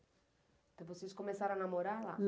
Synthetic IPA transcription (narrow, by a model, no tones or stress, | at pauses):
t̪ep̬usiskomensaɾanamoɾaða̰